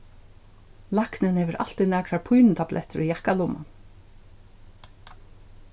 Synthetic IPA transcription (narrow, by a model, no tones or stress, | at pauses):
laknɪnheːʋəɾʔa̰l̥t̪iðnɛːkʰɾaɹpʰujnt̪ʰablʔɛ̰ht̪ʏɾijahkalʊma̰n